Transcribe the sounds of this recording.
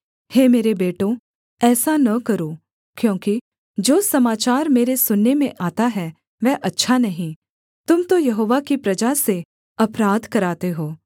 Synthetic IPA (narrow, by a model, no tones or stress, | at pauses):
heːmeːɾebeːʈõ | ɛːsanɐkɐɾoː | kjõːki | d͡ʒoːsɐmaːt͡ʃaːɾmeːɾesʊnːemẽʔaːt̪aɦɛː | ʋɛːʔɐtːʃʰanɐɦĩ | t̪ʊmt̪ojɐɦoːʋakipɾɐd͡ʒase | ɐpɾaːd̪kɐɾaːt̪eɦoː